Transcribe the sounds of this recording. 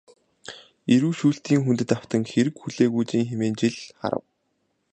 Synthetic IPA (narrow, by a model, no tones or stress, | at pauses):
eɾuːʃuːɬt̪iːŋxunt̪ɘ̆t̪aw̥t̪ə̆ŋxeɾɘ̆kxuɮeːɣuːt͡ɕiːŋxemeːnt͡ɕiɮχa̰ɾə̰̆w